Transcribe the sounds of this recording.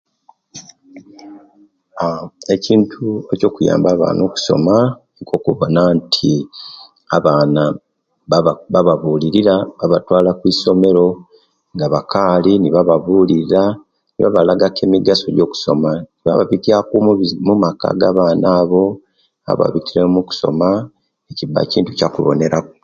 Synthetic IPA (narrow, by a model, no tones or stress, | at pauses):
ae̞ciːntʰue̞co̞ːkuja̰ːmbaːβa̰ːno̞ːku̥so̞̰ma | ŋɡo̞ːkuβo̞nantʰi | aβaːna | βaβaβuːliɾiɾaβaβatwaːlakwiːso̞me̞ɾo̞ | ŋɡaβakaːliniβaβaβuːliɾiɾa | niβaβalaɡake̞miɡasoɟo̞ːku̥so̞maniβa̰βaβitiakummumaka̰ɡaβaːnaːβo̞ | a̰βa̰βitiɾemuku̥so̞̰ma | ecibːa̰ciːntucakṵβo̞̰ne̞ɾako